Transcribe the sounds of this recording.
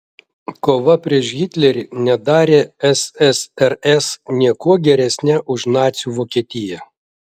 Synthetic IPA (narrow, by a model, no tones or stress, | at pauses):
koːʋɐpʲɾʲiɛʃɡʲiːt̪ʲlʲɛɾʲinʲɛd̪ɑːɾʲeːɛsɛsɛɾɛsnʲiɛkuɔɡʲɛɾʲɛsʲnʲɛʔʊʃnɑːt̪sʲjuːʋoːkʲiɛt̪ʲɪjɛ